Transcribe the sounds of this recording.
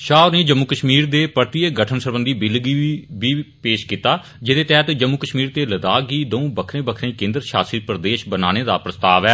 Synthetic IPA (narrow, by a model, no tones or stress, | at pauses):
ʃaːoɾneːd͡ʒəmːukəʃmiːɾd̪eːpəɾt̪ieɡəʈʰənsəɾbənd̪iːbɪlɡiibiːpeːʃkiːt̪aː | d͡ʒɪd̪eːt̪ɛːt̪d͡ʒəmːuːkəʃmiːɾt̪eːləd̪aːɡiːd̪oũːbəkʰɾẽːbəkʰɾẽːkẽːnd̪əɾʃaːsiːpɾəd̪eːʃbənaːneːd̪aːpɾəst̪aːʋɛː